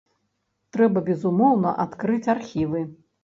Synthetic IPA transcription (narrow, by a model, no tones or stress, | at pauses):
t̪ɾɛbɐbʲɛzumɔwnɐʔat̪kɾɨt͡sʲarxʲivɨ